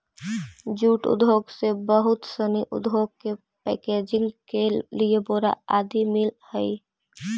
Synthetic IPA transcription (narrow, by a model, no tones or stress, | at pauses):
d͡ʒuːʈʊ̰d̪ʱoːɡsebəɦʊt̪səniʔʊ̰d̪ʱɦoːɡ̚ke | pɛ̰ːkeːd͡ʒɪ̃ŋɡkelieboɾa̰aːd̪imɪlhɛi